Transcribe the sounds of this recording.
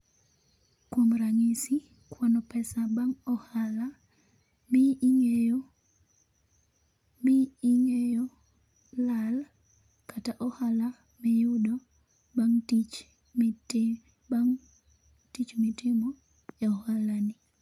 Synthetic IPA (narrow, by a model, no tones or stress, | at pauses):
kwomɾaŋisi | kwɔnɔpɛsabaŋɔhala | mɪŋejo | miːŋejo | lal | kataʔɔhala | mɛjʊdo | baŋit͡ʃ | aŋ | tit͡ʃmitɪmɔ | eɔhalanɪ